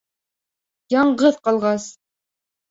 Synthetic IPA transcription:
jɑɴɢɤðqɑlˠʁɑs

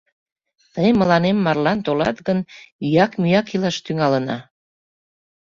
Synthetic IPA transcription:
t̪əjməlɑnemːɑrlɑnt̪olɑ̰t̪ɣənyjɑkmyjɑkilɑʃt̪yŋɑlənɑ̰

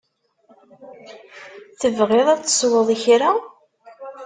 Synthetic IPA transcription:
θəvʁeðˤæt͡sːə̥swəðˤiçɾa

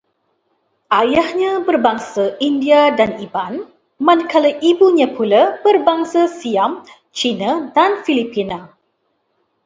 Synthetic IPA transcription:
ʔajahɲãbərbaŋsaʔindiadaniban | mãnkʰalaʔibuɲãpulabərbaŋsasiam | t͡ʃinadanfilipina

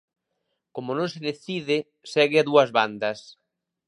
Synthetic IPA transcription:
komonõŋsɪðeθiðɪ | sɛɣɪaðuɐzβand̪ɐs

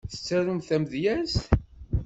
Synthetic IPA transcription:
θə̥t͡sːæɾumθæmðjæst

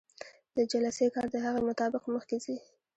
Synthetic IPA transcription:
d̪̥əd͡ʒalasekɑɾd̪əɦaɣamʊt̪ɑbɪqməxt̪izi

